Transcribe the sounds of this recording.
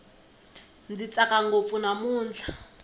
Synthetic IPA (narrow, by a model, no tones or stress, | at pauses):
nd͡zit͡sʼakʼaŋɡop̪funamuːnd͡ɮʱa